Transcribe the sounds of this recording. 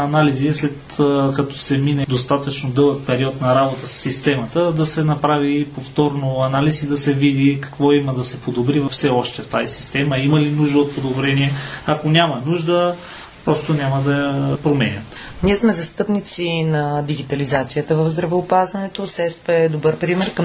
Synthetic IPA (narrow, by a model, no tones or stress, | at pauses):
ɐnalizislɛt̪kɐt̪ɔ̥sɛminɛd̪ost̪at̪ət͡ʃnod̪ɤlˠək̚pɛɾiɔt̪nɐɾabot̪əssːist̪ɛmɐt̪əd̪ɐsɛnɐpɾavipoft̪ɔɾnoɐnalisid̪ɐsɛvid̪ikɐ̥kvɔiməd̪ɐsɛpod̪obɾivɐfsɛɔʃt̪ɛft̪azisi̥st̪ɛməimɐlinuʒd̪əot̪̚pod̪obɾɛniɛɐkonʲamɐnuʒd̪ə | pɾɔst̪onʲaməd̪ɐjɐpɾomɛnʲət̪ | niɛsmɛzɐst̪ɤpnit̪sinɐd̪iɡʲit̪ɐlizat̪sijət̪əvəvzd̪ɾɐvɛːpazvɐnɛt̪osɛspɛɛd̪obəɾpɾimɛɾkɐm